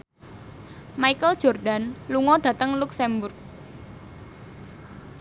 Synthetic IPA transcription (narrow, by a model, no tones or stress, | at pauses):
maikəld̥ʒ̥ɔrɖanluŋɔɖ̥ä̤t̪əŋluksɛmbʊrk̚